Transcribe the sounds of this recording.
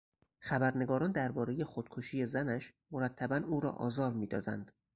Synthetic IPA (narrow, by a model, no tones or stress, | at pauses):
xæbæɾne̞ɡɒːɾɒːnd̪æɾbɒːɾe̞je̞xod̪̥̚kʰoʃiːje̞zænæʃmo̞ɾæt̪ʰːæbænuːɾɒ̰ːʔɒ̰ːzɒːɾmiːd̪ɒ̰ːd̪æ̰nd̪̥